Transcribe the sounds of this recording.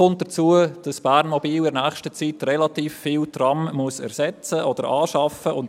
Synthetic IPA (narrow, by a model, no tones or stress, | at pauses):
ʊnt̚d̥ət͡suəd̥ɑsb̥æːɾnmɔbiːlɪɾnæːχʃtət͡sitɾɛlɑtiːfːɪːltrɑmmuəsɛ̰ɾsɛt͡səʔɔd̥əɾɑːʃɑfəʔʊn